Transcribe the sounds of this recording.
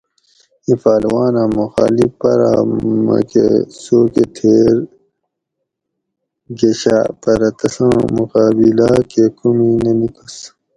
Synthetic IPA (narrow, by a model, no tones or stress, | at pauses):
ifaːlwaːnãːmuxaːlipɐɾa̰mɐ̰kḛsoːket̪ʰeːɾ | ɡeɕaːpɐɾɐt̪ɐsãmuqaːbilaːkekuminenikus